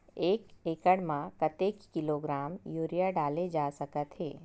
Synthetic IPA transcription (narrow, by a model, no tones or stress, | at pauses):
eːkeːkəɽmãkət̪eːkːɪloɡɾaːmjoːɾijaɖaːled͡ʒaːsɐkət̪ɦḛː